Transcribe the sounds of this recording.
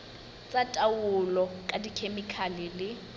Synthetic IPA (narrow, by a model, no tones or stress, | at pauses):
t͡sʼatʼawʊlɔkʼadikʰemikʰalɪlɪ